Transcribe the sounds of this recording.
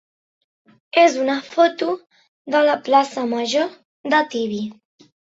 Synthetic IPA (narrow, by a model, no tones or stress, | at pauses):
ezunəfot̪u | ðələplasəməʒo | d̪ət̪iβi